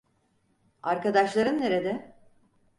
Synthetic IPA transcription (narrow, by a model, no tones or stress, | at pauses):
aɾkad̪aʃlˠaɾɯnːeɾed̪ɛ